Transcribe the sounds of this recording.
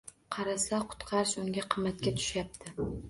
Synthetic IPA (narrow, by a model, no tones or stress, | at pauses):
qʰɑɾasaqʰʊ̥t̪qʰɑɾɪʃʊŋɡʲaqʰɨmːat̪̚kʲat̪ʰʊ̥ʃjap̚t̪ʰɪ